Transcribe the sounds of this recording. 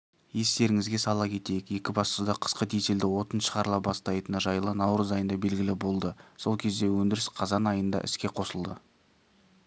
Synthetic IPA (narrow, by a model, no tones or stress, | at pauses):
je̞st̪e̞ɾɪŋɪzɡʲesɑlˠɑkʲʰe̞t̪e̞jɪkje̞kʲɪbɑst̪əd̪ɑqʰə̥sqəd̪ejt̪eld̪ɪwo̞t̪ənʃəʁɑɾlˠɑpbɑst̪ɑjt̪ənəʒɑjəlˠənɑwɾəzɑjənd̪ɑbe̞lɡʲɪlɪbo̞lˠd̪əso̞lˠkʲʰe̞zd̪e̞wɵnd̪ɪɾɪsqʰɑzɑnɑjənd̪ɑ̰ʔɪ̰skʲe̞qʰo̞səlˠd̪ə